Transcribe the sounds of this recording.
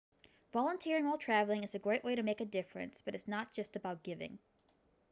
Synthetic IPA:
vɑlˠə̃ntʰiɹɪ̃ŋɔlˠtʰɹ̥ævl̩ˠɪ̃ŋɨzɨɡɹeɪʔweɪɾɨmeɪkɨdɪfɹɨ̰̃nsb̥ʌɾɨtsnət̚d̥ʒ̥ʌstɨbaʊt̚ɡ̥ɪvɪ̰̃ŋ

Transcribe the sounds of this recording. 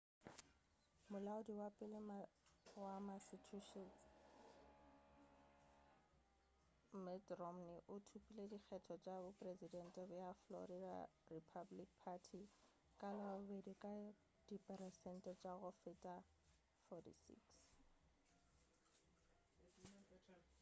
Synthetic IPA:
mʊlaʊdiwapʼɪlɪmawamasitʰuʃɔ | mɛtrɔmnɪʔʊtʰupʼiledik͡xʰɛtʰɔt͡ʃʼabʊpʼrezidɛn̩tʼɛbʊjaflɔ̰ɾida̰ripʰablik̚pʰatʰi | kʼanɔʊbedikʼa | d̥ipʼɛɾɛsɛn̩tʼɛt͡ʃʼaɣʊfɪtʼa | fɔtḭsḭks

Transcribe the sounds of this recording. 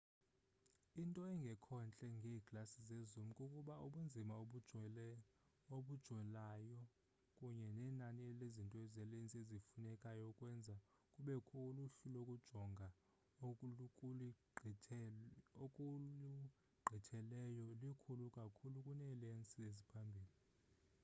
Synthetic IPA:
intʼɔɛŋɡʱɛkʰɔnt͡ɬʼɛŋɡʱeːkʼlasizezum̩kʼukʼuɓauɓund͡zʱimaoɓu | oɓud̥ʒ̥ʱwɛlaːjɔ | kʼuɲɛnɛːnaniɛlezintʼɔɛzɛlent͡sʼiezifunɛkʼajɔkʼwɛnd͡zʱa | kʼuɓɛkʰɔluɬulokʼud̥ʒ̥ʱɔŋɡʱa | oukʼulʰ | kʼulu | ɡ͡ǃʱitʰɛlɛjɔlikʰulukʼakʰulukʼunɛlent͡sʼiezipʰambʱiːli

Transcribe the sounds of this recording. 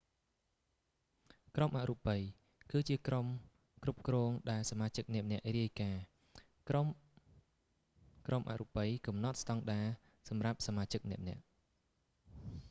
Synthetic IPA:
kromʔaʔrupəj | kɨːt͡ɕiəkrom | krup̚krɔːŋɗaɛlsamaːt͡ɕɨk̚nɛ̆əʔnɛ̆əʔriəjkaː | m | kromʔa̰ʔrupəjkɑmnɑt̪̚st̪ɑŋɗaː | sɑmrap̚samaːt͡ɕɨk̚nɛ̆əʔnɛ̆əʔ

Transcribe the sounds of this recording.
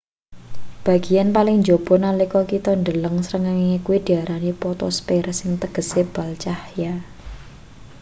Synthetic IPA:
b̥a̤ɡ̥i̤janpalɪŋɲd͡ʒob̥ɔ̤nalikɔkit̪ɔnd̪ələŋsəɾəŋaŋiŋekuwid̪̥i̤aɾanipɔt̪ɔ̰spersɪŋt̪əɡ̥ə̤seb̥a̤lt͡ʃahja

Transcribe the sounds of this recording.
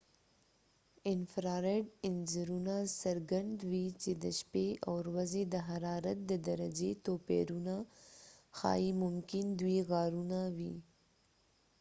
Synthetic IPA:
ɪnfɾɑɾeɖɪnd͡ʒɪɾunasaɾɡand̪wit͡ʃed̪əʃpeawɾwazed̪əɦaɾɑɾat̪̚d̪əd̪aɾad͡ʒet̪opḛɾuna | xɑ̰imʊmkɪnd̪wiɣɑɾunawḭ

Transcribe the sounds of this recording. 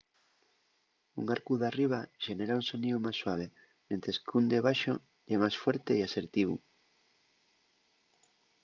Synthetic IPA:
ṵŋaɾkuðariβ̞aʃeneɾauŋsoniomajsːwaβ̞e | ment̪ɾeskund̪eβaʃo | emajsfweɾt̪eiaseɾt̪iβṵ

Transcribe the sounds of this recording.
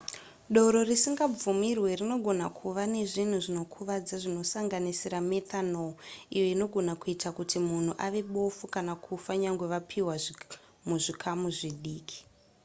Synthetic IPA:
ɗo̞ɾo̞risiŋɡab͡vumirwe̞rino̞ɡʱo̞nakʰuʋane̞ʐin̤uʐino̞kʰuʋad͡zaʐino̞saŋɡanisiɾame̞tanoijo̞ino̞ɡʱo̞nakuitakutimun̤uʔaʋe̞ɓo̞fukanakʰufaɲaŋɡwe̞ʋapʰiwa | muʐikʰamuʐiɗiːkʰi̥

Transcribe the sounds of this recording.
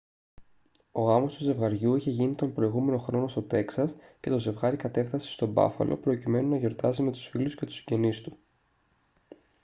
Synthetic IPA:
o̞ɣɐmo̞st̪uze̞vɣɐɾʝuiçe̞ʝinit̪o̞mpɾoiɣume̞no̞xɾo̞nost̪o̞t̪e̞ksɐsce̞t̪o̞ze̞vɣɐɾikɐt̪e̞fθɐse̥st̪o̞bɐ̰fɐ̰lʔo̞̰pɾo̞cime̞nunɐʝo̞ɾt̪ɐzime̞t̪u̥sfilusce̞t̪u̥si̥ɲɟe̞nist̪u̥

